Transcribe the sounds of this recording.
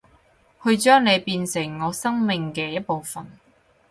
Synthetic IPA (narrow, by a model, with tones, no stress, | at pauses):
hɵ˧ɥt͡ʃœː˥ŋle˨˧jpiː˧nsɪ˨˩ŋːɔː˨˧sɐ˥ŋmɪ˨ŋkɛː˧jɐ˥t̚po˨wfɐ˨n